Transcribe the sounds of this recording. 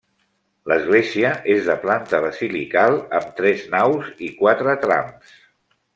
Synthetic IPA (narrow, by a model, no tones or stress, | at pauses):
ləzɣleziəʔezðəplant̪əβəzilikalˠəmt̪ɾɛznawzikwat̪ɾət̪ɾa̰ms